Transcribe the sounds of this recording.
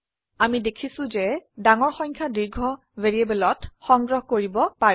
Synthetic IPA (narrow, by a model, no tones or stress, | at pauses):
amidekʰisʊ̃zɛdaŋɔɹxɔjɲkʰadiɹɡʱɔ | veɹiebɛlɔtxɔŋɡɹɔɦkoɹibɔpaɹ